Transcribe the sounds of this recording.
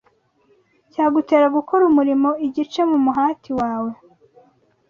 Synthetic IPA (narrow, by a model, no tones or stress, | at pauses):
caːɡute̞ːɾaɡukʰoɾumuɾimo̞iɟit͡ʃe̞mumuɦaːtʰiwaːwe̞